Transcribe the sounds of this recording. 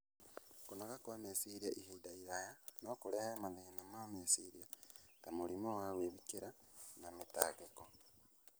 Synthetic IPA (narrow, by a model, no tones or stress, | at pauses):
kunakakuβamesiɾiaʔihidaiɾajanokuɾehaemaðihinamamesiɾiaɡ̥amulimowaweβikeɾa | namita̰ːɡeko